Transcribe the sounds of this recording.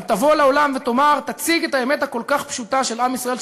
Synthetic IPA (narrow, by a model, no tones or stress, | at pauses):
t̪avo̞lao̞lamvet̪o̞maʁt̪at͡siɡetaemet̪hako̞lkaχpʃut̪aʃelamisʁae̞l